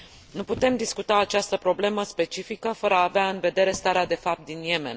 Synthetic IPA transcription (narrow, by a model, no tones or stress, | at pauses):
nuput̪e̞md̪iskut̪aːt͡ʃast̪əpɾo̞ble̞məspe̞t͡ʃifikəfəɾəaːveaɨnve̞d̪e̞ɾe̞st̪aɾead̪e̞fap̚t̪̚d̪inje̞me̞̰n